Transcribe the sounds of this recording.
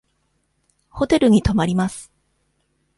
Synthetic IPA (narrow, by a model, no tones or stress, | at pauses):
ho̞t̪e̞ɾɯ̟ɲ̟it̪o̞maɾʲimasɨ̥